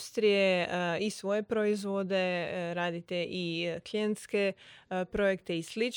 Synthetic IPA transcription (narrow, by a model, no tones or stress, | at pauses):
st̪ɾijeisʋo̞je̞pɾoizʋod̪eɾaːd̪it̪eʔiklient̪ske̞pɾo̞jekt̪eislit͡ʃ